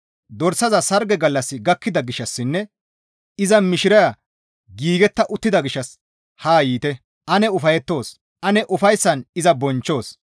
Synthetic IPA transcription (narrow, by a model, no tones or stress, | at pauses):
d̪ɔɾsɐzɐsɐɾɡɛɡɐlːɐsːɪɡɐkːɪd̪ɐɡɪʃːɐsːɪnːɛ | ɪzɐmɪʃɪɾɐjɐ | ɡiːɡɛt̪ːɐʔʊt̪ːɪd̪ɐɡɪʃːɐs | haːjiːt̪ɛ | ʔɐnɛʊfɐjɛt̪ːo̞ːs | ʔɐnɛʔʊfɐjsːɐnɪzɐbɔnt͡ʃːo̞ːs